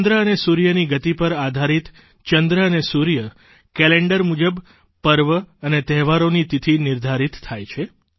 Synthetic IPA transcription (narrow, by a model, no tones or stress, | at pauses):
nd̪ɾəənesuɾjəniɡət̪ipəɾad̪ʱaɾit̪ | t͡ʃənd̪ɾəənesuɾjə | kɛleɳɖəɾmud͡ʒəb | pəɾʋəənet̪ɛɦʋaɾonit̪it̪ʰinɪɾd̪ʱaɾit̪t̪ʰːajt͡ʃʰe